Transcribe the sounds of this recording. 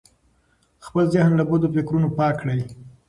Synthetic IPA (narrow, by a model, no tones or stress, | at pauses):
xpəlzɪhnlabod̪ofɪkɾunopɑkɽaj